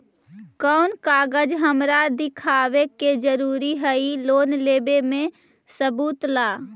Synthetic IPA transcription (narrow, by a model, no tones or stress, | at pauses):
kɔːnkaːɡəd͡ʒɦəmɾad̪ɪkʰaːweked͡ʒəɾuːɾiɦəiloːnleːbemẽ | səbuːt̪laː